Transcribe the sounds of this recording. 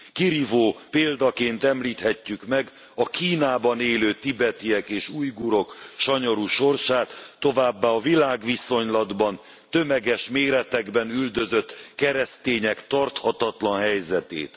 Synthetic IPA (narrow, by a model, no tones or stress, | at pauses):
kiɾivoːpeːld̪ɒkeːnt̪ɛmliːt̪hɛcːykmɛɡ | ɒkiːnaːbɒneːløːt̪ibɛt̪iɛkeːʃuːjɡuɾo̞kʃɒɲo̞ɾuʃo̞rʃaːt̪ːo̞vaːbːaːɒvilaːɡʋiso̞ɲlɒd̪bɒn | t̪ø̞mɛɡɛʃmeːɾɛt̪ɛɡbɛnyld̪ø̞zø̞t̪ːkɛɾɛst̪eːɲɛkt̪ɒrt̪hɒt̪ɒt̪lɒnɦɛjzɛt̪ḛːt̪